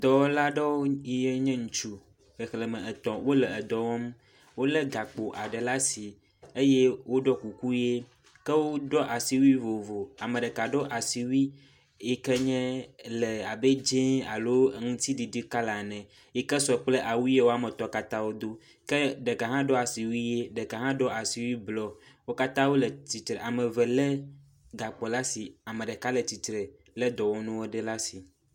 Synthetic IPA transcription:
d̪ɔ˨wɔ˦la˦ɖɔ˦wo˦i˨je˦ɲɛ̃˦ŋũ˨t͡ʃu˦ | xe˨xlɛ˨mɛ̃˨ɛ˨t̪ɔ̃˨wo˦lɛ˨ɛ˨d̪ɔ˨wɔ˦m | wo˦lɛ˦ɡa˨k͡po˨ʔa˨ɖɛ˨la˦si˨ | e˦jɛ˦wo˦ɖɔ˦ku˨ku˦je˦ | kɛ˦wo˦ɖɔ˦ʔa˨si˨wi˦vo˨vo˨a˨me˨ɖe˨ka˨ɖɔ˦ʔa˨si˨wi˦ | e˨kɛ˦ɲɛ̃˦lɛ˨a˨be˦d͡ʒẽ˦a̰˨lo˦ŋũ˦t̪i˦ɖi˨ɖi˦ka˦la˨nɛ̃˨ | je˦kɛ˦sɔ˨k͡plɛ˦ʔa˨wu˦je˦wo˦a˦mɛ̃˨t̪ɔ˦ka˦t̪ã˦wo˦d̪o˦ | kɛ˦ɖɛ˨ka˨ɦã˦ɖɔ˦a˨si˨wi˦je˦ɖe˨ka˨ɦã˦ɖɔ˦ʔa˨si˨wi˦blɔ˦ | wo˦ka˦t̪ã˦wo˦lɛ˨t͡ɕ̪i˨t̪ɾɛ˨ʔa˨mɛ̃˨vɛ˨lɛ˦ | ɡa˨k͡pɔ˨la˦si˨a˨mẽ˨ɖɛ˨ka˦lɛ˨t̪i˨t̪ɾɛ˨ | lɛ˦d̪ɔ˨wo˦nũ˦wo˦ɖɛ˦la˦si˨

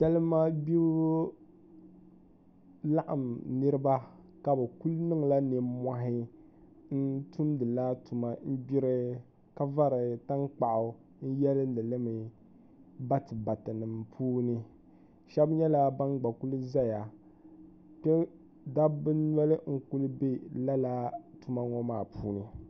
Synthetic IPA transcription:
ʃɛ˦lɨ˦mːa˦bi˦ | la˦ʔa˨mnɨ˦ɾɨ˦ba˦ | ka˨bɛ˨ku˦lnɨ˦ŋla˦nɨ˨ma˨ɦɪ˦ | n̩˦tu˦mdɨ˨la˦tu˨ma˨n̩˦bi˦ɾɨ˦ | ka˦va˦ɾɨ˨ta˦ŋk͡pa˨ʔʊ˨ | n̩˦jɛ˦lɨ˦lɨ˨lɨ˦mɨ˨ | ba˦tɨ˨ba˨tɨ˨nɨ˨mpʰuː˦nɨ˦ | ʃɛ˦bɲɛ˦la˦ba˦ɡ͡ba˨ku˦lɨ˦za˦ja˨ | pɛ˦ | da˦bɨ˦nɛ˦lɨ˦ŋ̩˦ku˦lɨ˦be˦la˦la˦tu˦ma˦ŋɔ˦maː˦˨pʰuː˦nɨ˨

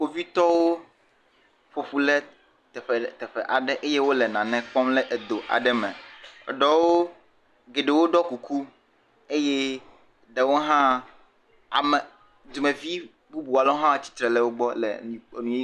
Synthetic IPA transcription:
o˨vi˦t̪ɔ˦wo˦ | ɸo˨ɸu˦lɛ˦ | t̪ɛ˨ɸɛ˨t̪ɛ˨ɸɛ˨ʔa˨ɖɛ˦ʔe˦je˦wo˦lɛ˨nã˨nɛ̃˨k͡pɔ˦mlɛ˦ʔe˨d̪o˨ʔa̰˨ɖɛ˦mɛ̰̃˨ɖɔ˨wo˦ | ɡe˨ɖe˨wo˦ɖɔ˦ku˨ku˦ | e˦je˦ | ɖ̪e˨wo˦ɦã˦ | a̰˨mɛ˨ | d̪u˨mẽ˨vi˦ | bu˦bu˨a˨lɔ˦ɦã˦˨t͡ɕi̥˦t̪ɾɛ˨lɛ˦˨wo˦ɡ͡bɔ˦lɛ̰̃˨nũ˨˦

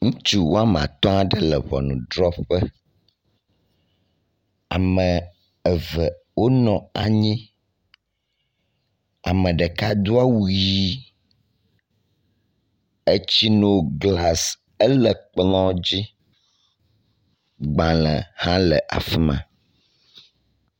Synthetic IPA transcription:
ŋũ˦t͡ʃu˦wo˦a˦m˨ã̰˨t̪ɔ̃˦a˦ɖə˦lə˨βɔ̰˨nṵ̃˨ɖɾɔ˦pɸə˦ | a̰˨mə̃˨ | ɛ˨və˨ | wo˦nɔ̃˨a̰˨ɲĩ˦ | a˨mə̃˨ɖə˨ka˦d̪u˦a˦wu˦ii˦ | e˦t͡ɕi˦no˦˨ɡla˨s | ə˦lə˨k͡plɔ̃˦d͡ʑi˦ | ɡ͡bã˨lə˨hã˦lə˨ʔa̰˨fi˦mã̰˨

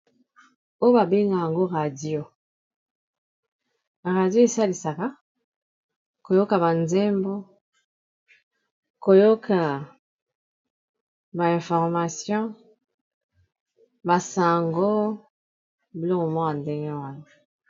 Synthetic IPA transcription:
o˦jo˦ba˨be˦ŋɡa˨ja˨ŋɡo˦ʁa˨djo˨ | ʁa˨djo˦e˨sa˦li˨sa˨ka˦ | ko˨jo˦ka˨ba˨nzɛ˦mbo˦ | ko˨jo˦kʰa˨ | ba˨ɛ̃˨fɔ˨ʁma˨sjɔ̃˦ | ba˨sa˨ŋɡo˦ | bi˨lo˦mo˨mɔ̃˦a˨nde˦ŋɡɛ˦wa˦na˨

